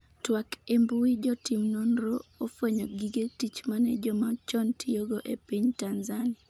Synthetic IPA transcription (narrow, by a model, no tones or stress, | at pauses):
twakembuid͡ʒɔtimnonɾoofweɲoɡiɡetit͡ʃmanɛd͡ʒɔmat͡ʃɔntioɡoʔepiɲtanzanɪa